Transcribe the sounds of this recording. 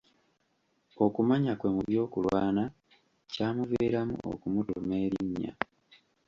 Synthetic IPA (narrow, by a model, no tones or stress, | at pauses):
o̞kumaɲakwe̞ːmuβjo̞ːkulwaːna | caːmuveːɾamṵʔo̰kumutume̞ːɾiɲːa̰